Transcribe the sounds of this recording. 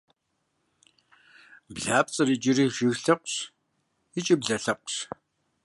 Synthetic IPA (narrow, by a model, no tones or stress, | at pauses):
bɮaːp̚t͡sʼɐriːd͡ʒɪriːʒɪɣɬɐqʷɕ | it͡ʃʼibɮɐɬɐq̚ʷɕ